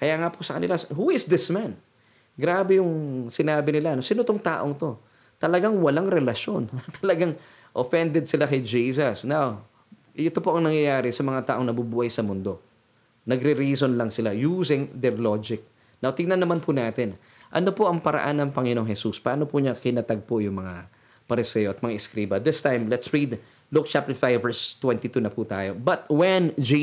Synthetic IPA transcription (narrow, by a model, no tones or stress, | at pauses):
kɐjaːŋaposɐkɐnɪlashuɪsd̪ɪsman | ɡɾaːbɛjʊŋsɪnaːbɪnɪlanosɪnot̪oŋt̪a̰ːʔo̞ŋt̪o̞ | t̪ɐlɐɡaŋwɐlaŋɾɛlɐʃjo̞nt̪ʰɐlɐɡaŋ | ʔofɛnd̪ɛd̪̚sɪlakɐjd͡ʒiːs̬ɐsnaw | ʔɛt̪o̞po̞ʔɐŋnɐŋjɐjaːɾɪsɐmɐŋat̪aːʔoŋnɐbubuːhɐjsɐmʊnd̪o̞ | nɐɡɾɪɾiːsonlɐŋsɪlajusɪŋd̪ɛɹlod͡ʒɪk̚ | nawt̪ɪŋnɐnːɐmanpʰʊnaːt̪ɪn | ʔɐno̞poʔɐŋpɐɾɐ̰ʔanːɐŋpɐŋɪno̞ŋhɛsuspaːnopuɲakɪnɐt̪aɡ̚pojʊŋmɐŋa | pɐɾɪsɛjoʔɐt̪̚mɐŋaʔɪskɾiːbɐd̪ɪst̪ãjmlɛt̪sɹid̪ | lʊk̚t͡ʃap̚t̪ɛɹfajvvɛɹst̪wɛnt̪it̪unɐput̪a̰ːjo̞bɐt̪̚wɛnd͡ʒ